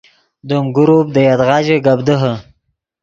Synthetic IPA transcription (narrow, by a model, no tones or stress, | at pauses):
d̪omɡʊɾup̚d̪əjɑd̪ɣɑːd͡ʒeɡabd̪əɦə